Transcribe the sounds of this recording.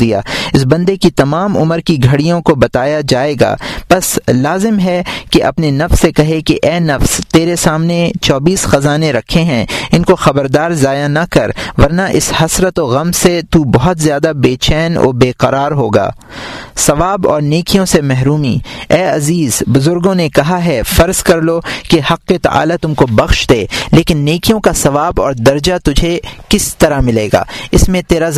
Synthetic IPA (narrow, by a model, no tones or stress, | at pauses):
d̪ija̰ːɪsbɐ̃nd̪ekit̪ɐmaːmʊ̰məɾkiɡʱɐɽijõkobɐt̪aːjad͡ʒaːeːɡa̰ːpɐslaːzɪmɦɛkeʔɐ̰pnenɐfsːekɐɦekeʔɛːnɐfst̪eːɾesaːmnet͡ʃɔːbiːsxɐzaːneɾɐkʰːeɦɛ̃ɪnkoxɐbəɾd̪aːɾzaːjanɐkɐɾʋɐɾnaʔɪshɐsɾət̪oɣɐmset̪uːbɐɦɔt̪zjaːd̪abeːt͡ʃɛːnɔ̰ːbeːqɐɾaːɾɦoːɡa̰ː | sɐʋaːbɔ̰ːɾneːkijõsemɛɦɾuːmḭːɛːɐziːzbʊzʊɾɡõnekɐɦaɦɛfɐɾzkɐɾloːkehɐqːet̪ɐ̰ʔa̰ːlat̪ʊmkobɐxʃd̪eːleːkɪnːeːkijõkasɐʋaːbɔːɾd̪ɐɾd͡ʒat̪ʊd͡ʒʱekɪst̪ɐɾamɪleːɡa̰ːɪsmẽt̪eːɾa